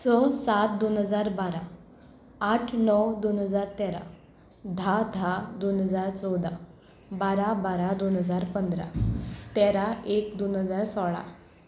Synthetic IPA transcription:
sɔsat̪̚d̪onɦəd͡zaɾbaɾa | aʈʰnɔwd̪onɦəd͡zaɾt̪ɛɾa̰ | d̪ʱad̪ʱad̪onɦəd͡zaɾt͡sɔwd̪ʱa | baɾabaɾad̪onɦəd͡zaɾpənd̪ɾa̰t̪ɛɾaekd̪onɦəd͡zaɾsɔɭa̰

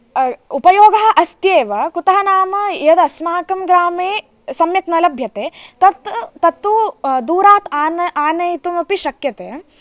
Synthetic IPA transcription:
upɐjoːɡɐɦɐʔɐst̪jeːʋɐkut̪ɐɦɐnaːmɐjɐd̪ɐsmaːkɐmɡɾaːmeː | sɐmjɐknɐlɐbʱjɐt̪eːt̪ɐt̪t̪ːɐt̪ːuːd̪uːɾaːt̪aːnɐaːnɐjt̪umɐpiʃɐkjɐt̪ḛː

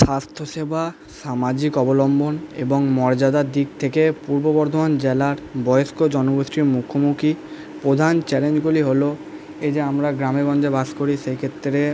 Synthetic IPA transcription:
ʃast̪ʰoʃebʱa | ʃamad͡ʑikɔbolɔmbʱonḛboŋmɔɾd͡ʑad̪ad̪ik̚t̪ʰekepuɾbobɔɾd̪ʱomand͡ʑelaɾbɔjoskod͡ʑɔnobosɾimukʰomukʰi | pɾod̪ʱant͡ɕɛlend͡ʑɡuliɦolo | ed͡ʑeamɾaɡɾameɡɔnd͡ʑebaskoɾiʃejkʰet̪ːɾe

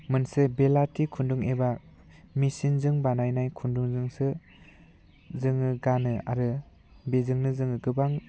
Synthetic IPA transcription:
mɯnsɯbelatikʰunduŋeba | misinzɯŋbanajnajkʰunduŋzɯŋsɯ | zɯŋɯɡanɯa̰ɾɯ | bezɯŋnɯzɯŋɯɡɯbaŋ

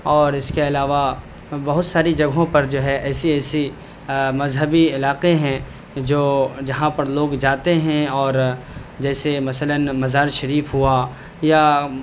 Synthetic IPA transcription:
ɔːɾɪskeɐlaːʋa | bɐɦʊt̪saːɾid͡ʒɐɡɦõpɐɾd͡ʒoːɦɛʔɛːsiɛːsi | mɐzɦəbiɪlaːqeɦɛ̃ | d͡ʒoːd͡ʒɐɦãpɐɾloːɡd͡ʒaːt̪eɦɛ̃ɔːɾ | d͡ʒɛːsemɐsələnmɐzaːɾʃɐɾiːfɦua | ja

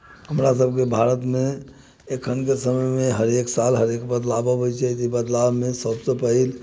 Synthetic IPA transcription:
ɦəmɾasəb̚ʱkebʱaɾət̪mẽ | ekʰənkesəməjmẽɦəɾeksalɦəɾekbəd̪labəbot͡ʃʰeit̪ibəd̪labmẽsəbsepəɦil

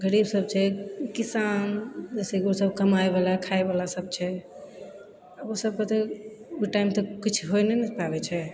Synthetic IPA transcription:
ɡəɾibsəb̚t͡ʃʰɛkisand͡ʒɛsɛkiosəbkəmaebalakʰaebalasəb̚t͡ʃʰɛ | əbosəb̚kət̪e | uiʈaimt̪ɔkit͡ʃʰɦojnenɛpaβɛt͡ʃʰɛ

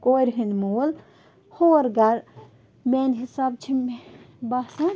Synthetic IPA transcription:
koːɾʲɦinmul | hoːɾɡɐɾ | meːnɦisaːbt͡ʃʰim | bɐsɐ

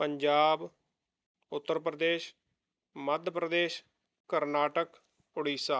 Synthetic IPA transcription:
pəɲd͡ʒaːb | ʊt̪ːəɾpɾəd̪eːʃ | məd̪ʱəpɾəd̪eːʃ | kəɾnaːʈək | ʊɽiːsaː

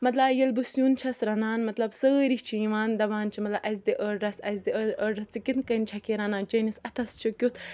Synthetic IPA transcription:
mɐt̪lajɐlbusjuːnt͡ʃʰɐsɾɐnaːnmɐt̪lɐbsəɾiht͡ʃʰiĩʋaːnd̪ɐʋaːnt͡ʃʰimɐt̪lɐʔɐzd̪iʔəɾɐsɐzd̪iəəɾɐt͡sikinkɐnt͡ʃʰɐkiɾanaːd͡ʒɐnisɐt̪ʰɐst͡ʃʰikʲjut̪ʰ

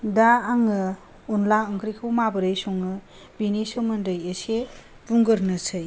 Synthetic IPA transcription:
daːŋɯ | unlaɯŋkʰɾikʰɯwmabɯɾɯjsuŋɯ | binisɯmɐndɯjese | buŋɡɯɾnɯsʰɯj

